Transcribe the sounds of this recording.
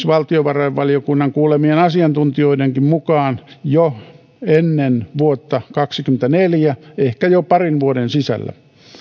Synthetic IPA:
sʋɑlt̪ioʋɑroeʋʋɑlijokunːɑŋkuːlemienɑsiɑnt̪unt̪ioideŋkimmukɑːnjo | enːenʋuot̪ːɑkɑksikyment̪æneljæehkæjopɑrinʋuodensisæ̰lːæ̰

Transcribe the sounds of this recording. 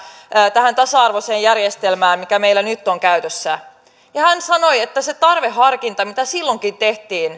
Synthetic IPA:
t̪æhænt̪ɑsɑɑrʋoseːjjærjest̪elmæːmmikæmeilːænyt̪ːoŋkæyt̪øsːæ | jɑhænsɑno̞jet̪ːæset̪ɑrʋehɑrkint̪ɑmit̪æsilːoŋkint̪e̞ht̪iːn

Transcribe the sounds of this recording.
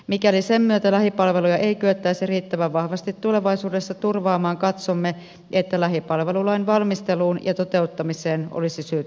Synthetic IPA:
mikælisemmyøt̪ælæhipɑlʋelujɑʔeikyøt̪ːæisiriːt̪ːæʋæʋʋɑhʋɑst̪it̪tuleʋɑisuːdesːɑt̪urʋɑːmɑːŋkɑt̪somːe | ʔet̪ːælæɦipɑlʋelulɑinʋɑlmist̪eluːnjɑ̰t̪ot̪eut̪ːɑmiseːno̰lisisyøt̪

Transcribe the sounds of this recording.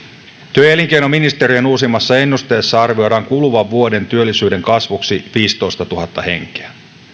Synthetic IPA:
t̪yøeliŋkejno̞minist̪e̞ɾienuːs̬imːɑsːɑe̞nːust̪e̞ːsːɑɑrʋio̞jdɑːŋkuluʋɑʋːuo̞de̞nt̪yølːisyːde̞ŋkɑsʋuksiʋiːst̪oist̪ɑt̪uɦɑt̪ːɑhe̞̰ŋk̟e̥æ

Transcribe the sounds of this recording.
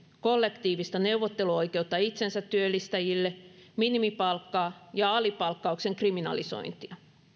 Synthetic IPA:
ko̞lːekt̪iːʋist̪ɑne̞wʋot̪ːe̞luo̞jke̞ut̪ːɑit̪sensæt̪ːyølːist̪æjilːeminimipɑlkːɑːjɑɑlipɑlkːɑukse̞ŋkriminɑ̰liso̰jnt̪iɑ

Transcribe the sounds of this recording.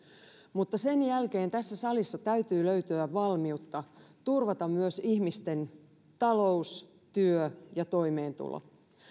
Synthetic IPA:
mut̪ːɑse̞njælke̞ːnt̪æsːæsɑlisːɑt̪æyt̪yːløɥt̪yæʋɑlmiut̪ːɑt̪urʋɑt̪ɑmmyøsihmist̪e̞n | t̪ɑlo̞us | t̪yøjɑt̪o̞ime̞ːnt̪ṵlo̰

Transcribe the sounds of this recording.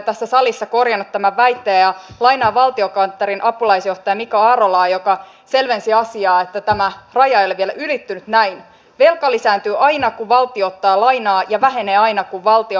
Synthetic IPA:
t̪æsːæsɑlisːɑko̞rjɑnːut̪ːæmæʋʋæjt̪ːeːjɑlɑinɑːʋɑlt̪io̞kɑnt̪ːeɾinʔɑpulɑisjo̞ht̪ɑjɑmikoɑːɾolɑːjo̞kɑ | se̞lʋensiɑsiɑːet̪ːæt̪æmærɑjɑoleʋielæʔylit̪ːynyt̪næin | ʋelkɑlisæːnt̪yːʔɑinɑkuʋʋɑlt̪iot̪ːɑːlɑinɑːjɑʋæɦe̞ne̞ːɑjnɑkuʋʋɑlt̪io

